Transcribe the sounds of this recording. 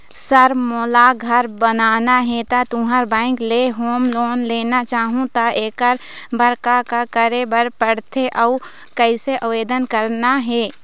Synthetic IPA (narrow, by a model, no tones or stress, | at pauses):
səɾmoːlaɡʱəɾbənaːnaɦɛt̪at̪ũɦəɾbãːɪ̃kleɦoːmloːnleːnat͡ʃaːɦũt̪aʔeːkəɾbəɾkakakəɾebəɾpəɽt̪ʰeʔəu | kəɪseʔəweːd̪ənkəɾnaɦɛː